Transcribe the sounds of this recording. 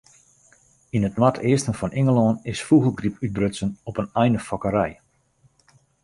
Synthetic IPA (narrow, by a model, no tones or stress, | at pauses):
inətnwatʰɪəstənfɔnʔɪŋəlˠɔːnɪsfuɣəlˠɡripyt̚brøsənɔpənɛjnəfɔkəɾɛj